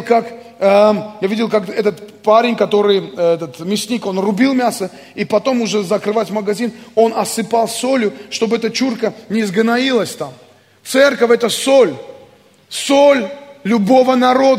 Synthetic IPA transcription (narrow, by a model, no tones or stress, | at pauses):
lˠkak | javʲidʲɪlˠkakɛt̪ət̪paɾʲɪnʲkɐt̪o̞ɾɨjɛt̪ət̪mʲɪsʲnʲiko̞nrʊbʲilˠmʲasə | ipɐt̪o̞mʊʐɛzəkɾɨvatʲməɡɐzʲino̞nɐsɨpalˠso̞lʲjʊʂt̪o̞bɨɛt̪ət͡ɕurkənʲɪzɡnɐilˠəsʲt̪am | t̪sɛrkəfʲɛt̪əsolʲ | solʲlʲʊbo̞vənɐɾo̞d̪ə